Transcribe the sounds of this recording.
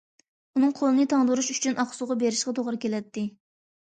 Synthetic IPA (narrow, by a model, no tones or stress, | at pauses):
unɨŋqʰolˠɨnɨt̪ʰɑŋd̪uɾuʃyt͡ʃʰynʔɑχsʊʁɑbeɾɪʃqɑt̪ʰoʁɾɨkʲelɛt̪ːɪ